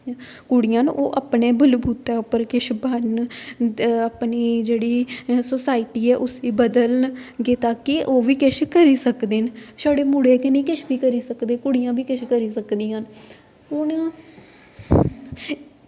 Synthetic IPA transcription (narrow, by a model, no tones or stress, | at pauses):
kʊɽɪjãːnʔoːʔaːpneːbəlbʱuːt̪aːʊpːəɾkɪʃʰbən | aːpniːd͡ʒeːɽiːsoːsaːiʈiːɛːʔʊsiːbəd̪əlnɡeːt̪aːkiʔoːʋiːkɪʃʰkəɾiːsəkd̪eːnsaːɽeːmʊɽeːkenĩːkɪʃʰʋiːkəɾiːsəkd̪eːkʊɽijãːʋiːkɪʃkəɾiːsəkd̪iːjãːn | ʊnː